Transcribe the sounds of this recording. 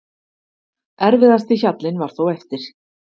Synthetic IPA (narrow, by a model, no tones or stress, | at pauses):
ɛɾvɪðast̪içat̪lɪnvaɾ̥θowɛft̪ɪɾ̥